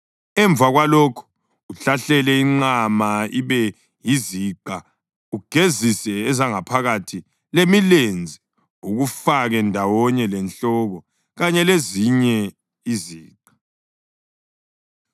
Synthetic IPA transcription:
ɛɱbvaɣwalɔkʰɔ̥ | uɬaɬɛlɛiŋ͡ǀamaiβɛ | jiziːǃa | uɡ̥ʱezisɛːzaŋapʰaɣatʰi | lemilend͡zʱi | uɣufaɣɛndʱawɔɲɛlɛnt͡ɬɔɣɔ | ɣaɲɛleziɲɛ | iziːǃa

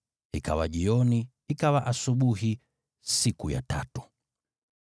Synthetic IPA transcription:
ika̰waʄiɔni | ikawaʔasuɓuɦi | sikuja̰ta̰tu̥

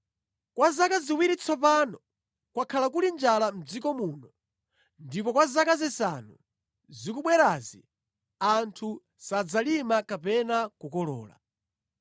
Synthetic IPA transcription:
kwazakaziwiɾit͡sʰɔpanɔ | kwakʰalakulind͡ʒalam̩d͡zikɔmunɔ | ndipɔkwazakazisanu | zikuɓwɛɾaːzḭ | antʰu | sad͡zalimakapɛnakukɔlɔ̰ːla̰

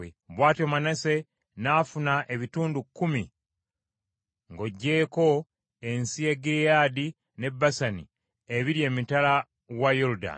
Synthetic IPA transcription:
eβwaːtomanase̞ | naːfunaʔe̞βituːndukːumi | ŋɡo̞ɟːe̞ːko̞ | e̞nsieɡiɾjaːdi | ne̞bːasani | eβiɾje̞ːmitala | wajoɾuda̰

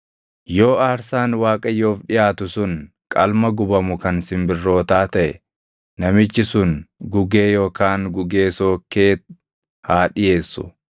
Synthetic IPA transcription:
jo̞ːaːɾsaːnwaːkʼɐjo̞ːfᶑɪjaːt̪ʊsʊn | kʼɐlmɐɡʊbɐmʊkɐnsɪmbɪrːo̞ːt̪aːt̪ɐʔɛ | nɐmɪt͡ʃːɪsʊnɡʊɡe̞ːjo̞ːkaːŋɡʊɡeːso̞ːkːeː | haːᶑɪje̞ːsːʊ̰

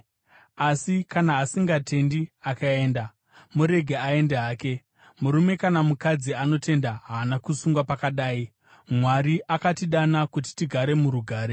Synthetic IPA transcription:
asikanaːsiŋɡatʰe̞ndiakae̞ːnda | muɾe̞ɡʱeae̞ndeɦaːke̞ | muɾume̞kanamukad͡ziano̞te̞ndaɦaːnakusuŋɡwapakaɗaːi | mwaɾiʔakatiɗanakut̬i̥tiɡʱaɾe̞muɾuɡʱaːɾe

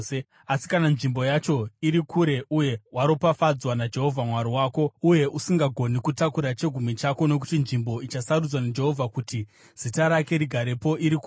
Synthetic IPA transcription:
asi̥kananʐimbo̞jat͡ʃo̞iɾikuɾe̞ʔuje̞waɾo̞pafad͡zwanad͡ʒe̞ɦo̞vʱamwaɾiwaːko̞uje̞ʔusiŋɡaɡʱo̞nikutakuɾat͡ʃe̞ɡʱumit͡ʃako̞no̞k̬utinʐimbo̞it͡ʃasarud͡zwanad͡ʒe̞ɦo̞vʱakuti | z̥itaɾake̞ɾiɡʱaɾe̞po̞ʔiɾiku

